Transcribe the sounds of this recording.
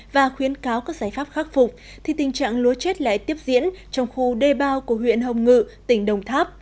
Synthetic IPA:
vaː˨˩xwi˨˦ənkaː˨˦wkaː˦˥k̚zaː˧˩jfaː˦˥p̚xaː˦˥k̚fʊ˨˩k͡p̚ | t̪ʰi˨˩t̪ï˨˩ŋ̟t͡ɕa̰ː˧˨ŋlu˨˦ət͡ɕe˦˥t̚la̰ː˧˨jt̪i˦˥əp̚zḭ˧˥ənt͡ɕɔ˧wŋ͡mxu˧ɗe˧˩ɓaː˧wku˧˩əɦwḭ˧˨ənhə˨˧˩wŋ͡mŋɨ̰˧˨t̪ï˧˩ŋ̟ɗə˨˩wŋ͡mt̪ʰaː˦˥p̚

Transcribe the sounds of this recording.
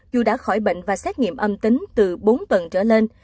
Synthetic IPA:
zu˨˩ɗa̰ː˧˥xɔ˧˩jɓḛ˧˨ŋ̟vaː˨˩sɛ˦˥t̚ŋḭ˧˨əmʔə˧mt̪ï˨˦ŋ̟t̪ɨ˨˩ɓo˨˦nt̪wə˨˩nt͡ɕəː˧˩le˧n

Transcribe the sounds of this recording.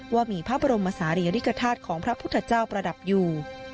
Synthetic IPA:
waː˥˩miː˧pʰaː˥˩p̚ba˧ɾo˧mʔaː˧saː˩˦ɾi˧a˧ɾi˦˥ka˧t̪ʰaː˥˩t̪̚kʰɔː˩˦ŋpʰɾa˦˥pʰu˥t̪ʰːa˧t͡ɕaː˥˩wpɾa˧da˨˩p̚juː˨˩

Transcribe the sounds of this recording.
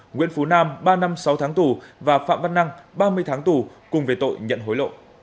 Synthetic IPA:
ŋwḭ˧˥ənfu˨˦naː˧mɓaː˧na˧msa˨˦wt̪ʰaː˨˦ŋt̪u˨˩vaː˨˩fa̰ː˧˨mva˧nːa˧ŋɓaː˧mɨ˧əjt̪ʰaː˨˦ŋt̪u˨˩kʊ˨˩ŋ͡mve˨˩t̪o̰˧˨jɲə̰˧˨nɦo˨˦jlo̰˧˨

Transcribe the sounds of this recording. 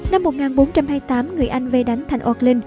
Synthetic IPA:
na˧mːo˨˩ŋaː˨˩nɓo˨˦nt͡ɕa˧mhaː˧jt̪aː˨˦mŋɨ˨˩əjʔa˧jŋ̟ve˧ɗa˨˦jŋ̟t̪ʰa˨˩ŋʔɔ˧k̚lï˧ŋ

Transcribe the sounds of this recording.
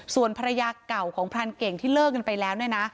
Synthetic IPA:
su˨˩ənpʰa˧ɾa˧jaː˧ka˨˩wkʰɔː˩˦ŋpʰɾaː˧nke˨˩ŋt̪ʰiː˥˩lɤː˥˩k̚ka˧npa˧jlɛː˦˥wnɯ˥˩əna˦˥

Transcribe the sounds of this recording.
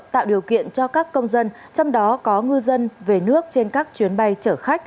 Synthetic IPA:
t̪a̰ː˧˨wɗi˨˩əwkḭ˧˨ənt͡ɕɔ˧kaː˦˥kːə˧wŋ͡mzə˧n | t͡ɕɔ˧wŋ͡mɗɔ˨˦kɔ˨˦ŋɨ˧zə˧nve˨˩nɨ˦˥ək̚t͡ɕe˧nkaː˦˥k̚t͡ɕwi˨˦ənɓa˧jt͡ɕəː˧˩xa˦˥k̟̚

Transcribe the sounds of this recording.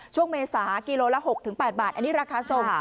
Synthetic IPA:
t͡ɕʰu˥˩əŋmeː˧saː˩˦kiː˧loː˧lɛː˦˥ɦo˨˩k̚t̪ʰɯ˩˦ŋpɛː˨˩t̪̚baː˨˩ʔa˧nːiː˦˥ɾaː˧kʰaː˧so˨˩ŋ

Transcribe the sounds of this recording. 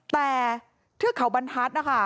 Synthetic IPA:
t̪ɛː˨˩ | t̪ʰɯ˥˩əkʰa˨˩˦wba˧nt̪ʰaː˦˥t̪̚na˦˥kʰa˥˩

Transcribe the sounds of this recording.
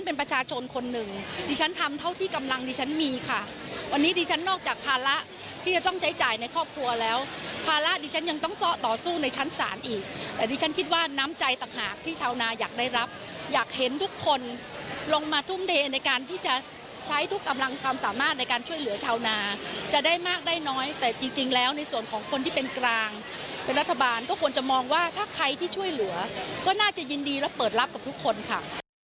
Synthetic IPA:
npe˧npɾa˧t͡ɕʰaː˧t͡ɕʰo˧nkʰo˧nːɯ˨˩ŋdiː˧t͡ɕʰa˦˥nt̪ʰa˧mt̪ʰa˥˩wt̪ʰiː˥˩ka˧mla˧ŋdiː˧t͡ɕʰa˦˥nmiː˧kʰa˥˩ | wa˧nːiː˦˥diː˧t͡ɕʰa˦˥nːɔː˥˩k̚t͡ɕaː˨˩k̚pʰaː˧la˦˥ʔ | t̪ʰiː˥˩t͡ɕa˨˩t̪ɔ˥˩ŋt͡ɕʰa˦˥jt͡ɕaː˨˩jna˧jkʰɔː˥˩p̚kʰlu˧ɐlɛː˦˥wpʰaː˧la˦˥ʔdiː˧t͡ɕʰa˦˥nja˧ŋt̪ɔ˥˩ŋsɔ˦˥t̪ɔː˨˩suː˥˩na˧jt͡ɕʰa˦˥nsa̰ː˩˦nʔiː˨˩k̚t̪ɛː˨˩diː˧t͡ɕʰa˦˥nkʰi˦˥t̪̚waː˥˩naː˦˥mt͡ɕa˧jt̪a˨˩ŋhaː˨˩k̚t̪ʰiː˥˩t͡ɕʰaː˧wnaː˧jaː˨˩k̚daː˥˩jɾa˦˥p̚ | jaː˨˩k̚he˩˦nt̪ʰu˦˥kʰːo˧n | lo˧ŋmaː˧t̪ʰu˥˩mdʰeː˧na˧jkaː˧nt̪ʰiː˥˩t͡ɕa˨˩ | t͡ɕʰa˦˥jt̪ʰu˦˥kːa˧mla˧ŋkʰwaː˧msaː˨˩˦maː˥˩t̪̚na˧jkaː˧nt͡ɕʰu˥˩əjlɯ˩˦t͡ɕʰaː˧wnaː˧t͡ɕa˨˩daː˥˩jmaː˥˩k̚daː˥˩jnɔː˦˥jt̪ɛː˨˩t͡ɕi˧ŋt͡ɕi˧ŋlɛː˦˥wna˧jsu˨˩ənkʰɔː˩˦ŋkʰo˧nt̪iː˥˩pe˧nkɾaː˧ŋ | pe˧nɾa˦˥t̪ʰːa˧baː˧nkɔː˥˩kʰu˧ənt͡ɕa˨˩mɔː˧ŋwaː˥˩t̪ʰaː˥˩kʰɾa˧jt̪ʰiː˥˩t͡ɕʰu˥˩əjlɯ˩˦ɐkɔː˥˩naː˥˩t͡ɕa˨˩ji˧ndiː˧lɛː˦˥wpɤː˨˩t̪̚ɾa˦˥p̚ka˨˩p̚t̪ʰu˦˥kʰːo˧nkʰa̰˦˥˩

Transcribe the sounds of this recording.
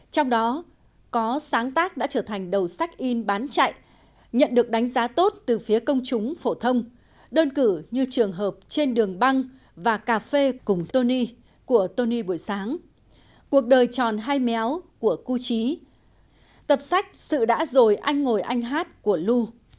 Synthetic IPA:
t͡ɕɔ˧wŋ͡mɗɔ˨˦ | kɔ˨˦saː˨˦ŋt̪aː˦˥k̚ɗa̰ː˧˥t͡ɕəː˧˩t̪ʰa˨˩jŋ̟ɗə˨˩wsa˦˥jk̟̚ʔi˧nɓaː˨˦nt͡ɕa̰˧˨jʔ | ɲə̰˧˨nɗɨ˨˩ək̚ɗa˨˦jŋ̟zaː˨˦t̪o˦˥t̚t̪ɨ˨˩fi˨˦əkə˧wŋ͡mt͡ɕʊ˨˦ŋ͡mfo˧˩t̪ʰə˧wŋ͡m | ɗəː˧nkɨ˧˩ɲɨ˧t͡ɕɨ˨˩əŋɦəː˨˩p̚t͡ɕe˧nɗɨ˨˩əŋɓa˧ŋ | vaː˨˩kaː˧˩fe˧kʊ˨˩ŋ͡mt̪o˧ni˧ | ku˧˩ət̪o˧ni˧ɓu˧˩əjsaː˨˦ŋ | ku˨˩ək̚ɗəː˨˩jt͡ɕɔ˨˩nɦaː˧jmɛ˨˦wku˧˩əku˧t͡ɕi˨˦ | t̪ə˨˩p̚sa˦˥jk̟̚sɨ̰˧˨ɗa̰ː˧˥zo˨˩jʔa˧jŋ̟ŋo˨˩jʔa˧jŋ̟ɦaː˦˥t̚ku˧˩əlu˧

